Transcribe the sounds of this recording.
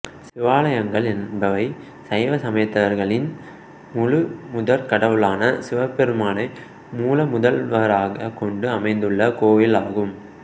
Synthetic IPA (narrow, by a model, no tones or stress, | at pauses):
sɪʋaːlɐjɐŋɡɐɭɛnbɐʋɐɪ | sɐjʋɐsɐmɐɪt̪ːɐʋɐɾɣɐɭɪn | mʊɻɯmʊðɐɾkɐɽɐʋɯɭaːnɐsɪʋɐpːɛɾɯmaːnɐɪ | muːlɐmʊðɐlʋɐɾaːɣɐkɔɳɖɯɐmɐɪnd̪ɯɭːɐkoːjɪlaːɣɯm